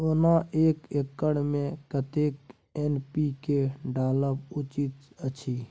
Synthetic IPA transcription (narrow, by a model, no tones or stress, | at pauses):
onaʔeːkekːəɽmẽkət̪eːk | enpikeɖaːləpʊt͡ʃit̪ət͡ʃʰi